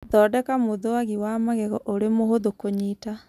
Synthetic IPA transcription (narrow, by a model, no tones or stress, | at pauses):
ðɔːdɛkamoðowaɣiwamaɣɛɣɔʔoɾemohoðokoɲiːta